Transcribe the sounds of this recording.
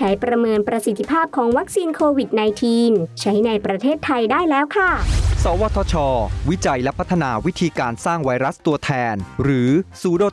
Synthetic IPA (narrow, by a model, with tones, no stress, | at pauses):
t͡ɕʰa˩˦jpɾa˧mɤː˧npɾa˧si˨˩t̪ʰːi˧pʰaː˥˩p̚kʰɔː˩˦ŋwa˦˥k̚siː˧nkʰoː˧wi˨˩t̪̚na˧jt̪ʰiː˧mt͡ɕʰa˦˥jna˧jpɾa˧t̪ʰeː˥˩t̪ʰːa˧jdaː˥˩jlɛː˦˥wkʰa˥˩sɔː˩˦wɔː˧t̪ʰɔː˧t͡ɕʰɔː˧wi˦˥t͡ɕa˧jlɛ˦˥pʰa˦˥t̪ʰːa˧naː˧wi˦˥t̪ʰiː˧kaː˧nsaː˥˩ŋwa˧jɾa˦˥st̪u˧ɐt̪ʰɛː˧nɾɯː˩˦suː˨˦doː˧˩